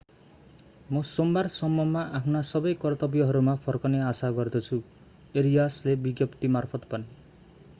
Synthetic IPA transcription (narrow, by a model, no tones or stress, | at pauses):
musombaɾsɔmbɔmːaʔapʰnasɔbɔjkɔɾt̪ɔbjɔɦɔɾumapʰɔɾkɔneasaɡɔɾd̪ʰɔt͡ʃʰu | eɾijaslebiɡjɔpt̪imaɾpʰɔt̪ɔ̥pani